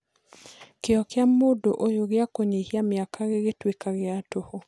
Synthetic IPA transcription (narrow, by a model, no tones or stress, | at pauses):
keɔkɪamodoʔojoɣɪakoɲehjamjakʰaɣɪɡetwekaɣɪatoho